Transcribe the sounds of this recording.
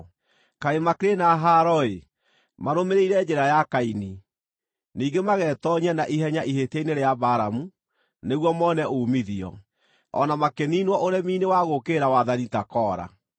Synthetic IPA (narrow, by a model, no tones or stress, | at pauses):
kaemakɾenaɦaɾɔe | maɾomeɾeiɾɛd͡ʒɛɾajakaini | niːɡemaɣɛːtɔɲɛnaʔiɦɛɲaʔihetaineɾeabaːɾamu | neɣwɔmɔnɛʔomiðiɔ̰ | ɔ̰namakeninwɔʔoɾɛmiːnewaɣokeːɾawaðanitakɔːɾa̰